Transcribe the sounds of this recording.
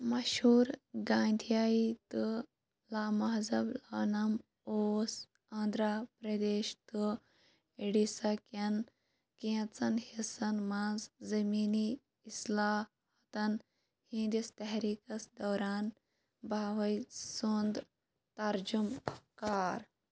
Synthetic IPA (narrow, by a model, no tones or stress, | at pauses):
mɐɕɦuːɾɡãːnd̪ʱijaːit̪ɨ | laːmɐɦzɐblanɐm | oːs | ãːnd̪ɾapɾɐd̪eːɕt̪ɨ | eɽisɐkɐn | kẽt͡sɐnhesɐnmãːnzzɐmiːniː | slaː | hɐt̪ɐn | hĩnd̪ist̪ɛɦɾiːkɐsd̪ɔːɾaːn | bʱaːʋɐjsund̪ | t̪ɐɾd͡ʒumkaːɾ